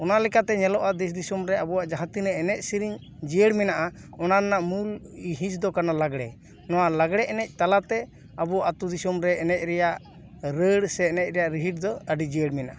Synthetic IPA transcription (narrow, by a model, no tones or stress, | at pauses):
ɔnalɛkat̪ɛɲɛlɔʔad̪ɛs̬d̪isumɾɛabuwaʔd͡ʒaɦãt̪inɛɛnɛc̚siɾiɲ | d͡ʒijəɽmɛnaʔaɔnannaʔmuliɦĩt͡ʃd̪ɔkanalaɡɽɛ̰ | nɔwalaɡɽɛʔɛnɛc̚ˀt̪alat̪ɛ | abuwaʔat̪ud̪isumɾɛːnɛc̚ˀɾɛjaʔ | ɾəɽsɛːnɛc̚ˀɾɛjaʔɾiɦiʈ̚d̪ɔəɖid͡ʒijəɽmɛnaʔa